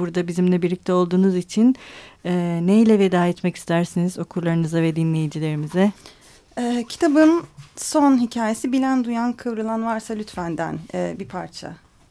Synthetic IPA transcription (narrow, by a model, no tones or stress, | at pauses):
buɾd̪abizimlʲɛbiɾlʲic̚t̪ʰɛo̞lˠd̪uːnuzit͡ʃʰinɛːnejlʲɛved̪aːɛt̪mɛci̥st̪ʰæɾsinizo̞kʰuɾlˠaɾɯnɯzavɛd̪inlʲe̞jid͡ʒilʲe̞ɾimizɛ | ɛːcʰi̥t̪ʰabɯnso̞nɦicʰaːjesibilʲænd̪ujankʰɯvɾɯlˠanvaɾsalʲyt̪fænd̪æ̰nɛːbipʰaɾt͡ʃʰa̰